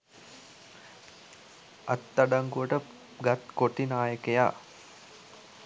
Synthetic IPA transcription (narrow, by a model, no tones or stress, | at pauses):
at̪ːaɖaŋɡuʋəʈə | ɡat̪koʈinaːjəkeja̰ː